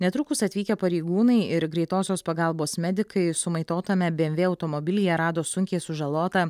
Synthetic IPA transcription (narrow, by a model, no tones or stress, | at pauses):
nʲɛt̪ɾʊkʊsɐt̪ʲʋʲiːkʲɛpɐɾʲɛɪɡuːnɐɪɪɾɡɾʲɛɪt̪oːsʲoːspɐɡɐlˠboːsmʲɛd̪ʲɪkɐɪsʊmɐɪt̪oːt̪ɐmʲɛbʲeːɛmʲʋʲeːɐʊt̪omɔbʲɪlʲɪjɛɾɑːd̪oːsʊŋʲkʲɛɪsʊʒɐlˠoːt̪ɐ